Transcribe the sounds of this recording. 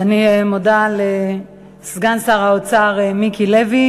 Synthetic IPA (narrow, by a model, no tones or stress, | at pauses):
aniemodale | sɡansaʁaot͡saʁemikilevi